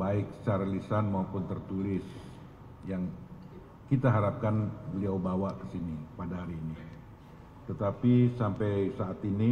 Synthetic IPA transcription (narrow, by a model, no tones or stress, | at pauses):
baɪk̚sarlisanmaupʊnt̪ərt̪ulɪs | jaŋ | kit̪aɦaɾap̚kanbəliawbawaʔkə̥sinipadaɦaɾiːni | t̪ət̪apisampɛjsaat̪ini